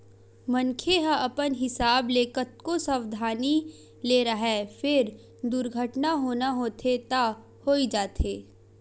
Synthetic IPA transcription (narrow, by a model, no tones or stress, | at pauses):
mɐ̃nkʰeɦaʔɐpənɦɪsaːbleːkət̪̚kosəwd̪ʱaːni | leːɾɐɦɛːfʰɪɾ | d̪ʊɾɡʱəʈnaɦoːnaɦoːt̪ʰet̪a | hoːid͡ʒaːt̪ʰeː